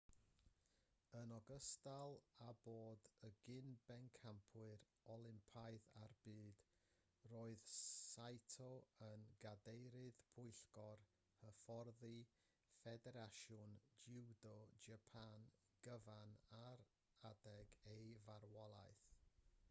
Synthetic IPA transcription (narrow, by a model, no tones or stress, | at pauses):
ənɔɡəstalˠaboːdəɡɪnbɛnkʰampʰwɨɾ | ɔlˠɪmpʰajðarbɨːd̥ | roːɨðsajtʰɔənɡadejɾɨðpʰʊɨɬɡɔr | həfɔrði | fɛdɛɾaʃʊnd͡ʒɪwdɔd͡ʒapʰan | ɡ̥əvanaɾ | adɛɡejvaɾwɔlˠa̰ɨθ